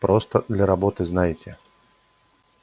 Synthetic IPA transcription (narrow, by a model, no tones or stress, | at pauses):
pɾost̪əd̪lʲɐɾɐbot̪ɨznajɪtʲɪ